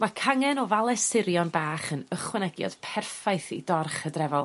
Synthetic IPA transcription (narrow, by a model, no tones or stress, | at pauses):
makʰaŋɛnɔvalˠɛsɪɾjɔnbaːχənəχwɛnɛɡjɔ̰d̥pʰɛrfajθḭdɔrχədrɛvɔlˠ